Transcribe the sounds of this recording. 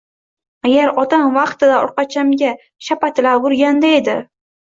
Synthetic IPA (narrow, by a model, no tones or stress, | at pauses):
aɡʲaɾɒt̪ʰamvɑqt̪ɪd̪aɒ̰ɾqɑt͡ʃʰamɡʲa | ʃapat̪ʰɪlaɡʊɾɡʲand̪ae̞d̪ɪ